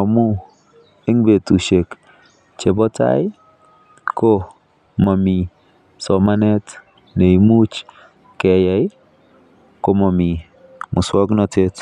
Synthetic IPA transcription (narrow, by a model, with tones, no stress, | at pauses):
ɔ˨mu˦ | e˦ŋbe˨tu˨ʃe˨k | t͡ʃe˨bɔ˦ta̰˦j | ko˦ | ma˨mi˨ | sɔ˨ma˦nɛ˦t | ne˨i˨mu˦t͡ʃ | kɛ˨ja˨˦j | ko˨ma˨mi˨ | mʊ˨swɔ˦knɔ˦te˦t